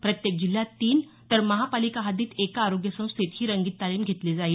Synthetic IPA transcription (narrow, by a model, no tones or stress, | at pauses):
pɾət̪jek̚d͡ʑil̤jat̪iːn | t̪əɾməɦapalikaɦad̪iːt̪ekaːɾoɡjəsə̃w̃st̪et̪ɦiːɾəŋɡiːt̪̚t̪ːaliːmɡʱet̪lid͡zaiːl